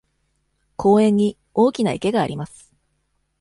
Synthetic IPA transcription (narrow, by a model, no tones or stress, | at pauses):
kʰo̞ːẽ̞ɲ̟ːi | o̞ːkʲinaḭke̞ɡaːɾʲimasɨ̥